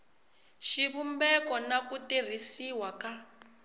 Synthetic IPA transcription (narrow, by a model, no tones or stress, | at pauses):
ʃiβumbɛkɔnakutir̤isiwaka